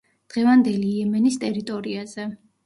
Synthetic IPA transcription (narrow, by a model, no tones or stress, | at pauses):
d̪̥ʁɛvand̪ɛliːɛmɛnist̪ʼɛɾit̪ʼɔɾiazɛ